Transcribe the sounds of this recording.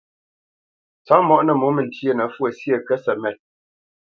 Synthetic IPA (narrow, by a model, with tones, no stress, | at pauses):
t͡sa˨˦mɔ˦ʔnə˨mo˨˦mə˨n˨tjə˦˨nə˨˦fwə˨sjə˨kə˦sɛ˨mɛ˨t̚